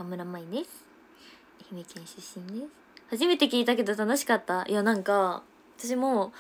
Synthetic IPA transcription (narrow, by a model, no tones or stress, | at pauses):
amɯ̟ɾamaid̪esɨ̥ | çimekẽɰ̃ɕɨɕĩnd̪esɨ̥haʑime̞t̪ekʲiːt̪ak̬e̞d̪o̞t̪ano̞ɕi̥kat̪ːajanãŋka | βat̪aɕ̬imoː